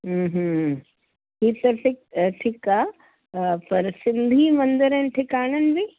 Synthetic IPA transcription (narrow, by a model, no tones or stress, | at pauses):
ɦəːɦə | ɦiːt̪ɐʈɪkʈʰiːkaː | pɐɾsɪ̃nd̪ʱimɐ̃nd̪əɾənɪʈʰɪkaːɽ̃ənɪ̆bɪ